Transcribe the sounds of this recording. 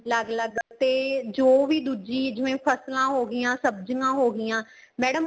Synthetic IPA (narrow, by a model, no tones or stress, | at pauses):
ləɡləɡt̪eːd͡ʒoːʋiːd̪uːd͡ʒiːd͡ʒɪʋẽːpʰəslãːɦoːɡɪjãːsəbd͡ʒŋãːɦoːɡɪjãː | mɛːɽəm